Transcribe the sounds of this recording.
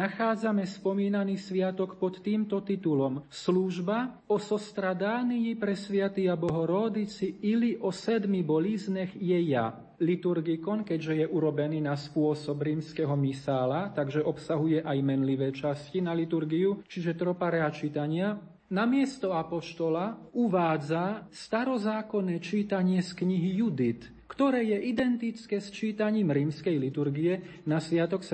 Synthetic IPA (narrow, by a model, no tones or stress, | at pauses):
axaːd͡zamɛspɔmiːnaniːsʋɪat̪ɔkpɔt̪ːiːmt̪ɔt̪it̪ulɔmsluʒba | ɔsɔst̪ɾad̪aːnijipɾɛsʋɪat̪iabɔɦɔɾɔd̪it͡siiliʔɔsɛd̪mibɔliznɛxjɛja̰ | lit̪uɾɡikɔnkɛɟʒɛjɛʔuɾɔbɛniːnaspʊɔsɔbɾiːmskɛɦɔmisaːlat̪aɡʒɛʔɔpsaɦujɛʔajmɛnliʋɛːt͡ʃascinalit̪uɾɡiut͡ʃiʒɛt̪ɾɔpaɾɛat͡ʃit̪aɲɪa | namɪɛst̪ɔapɔʃt̪ɔlauʋaːd͡zast̪aɾɔzaːkɔnɛːt͡ʃiːt̪aɲɪɛskɲiɦijud̪it̪ | kt̪ɔɾɛːjɛʔid̪ɛnt̪it͡skɛːst͡ʃiːt̪aɲiːmɾiːmskɛjlit̪uɾɡiɛnasʋɪat̪ɔks